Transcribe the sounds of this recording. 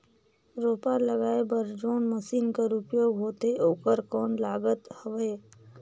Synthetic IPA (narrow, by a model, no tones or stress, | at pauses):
ɾoːpaləɡaːebəɾd͡ʒoːnməsiːnkaɾupjoːɡɦoːt̪eʔoːkəɾkɔːnlaːɡət̪həʋeː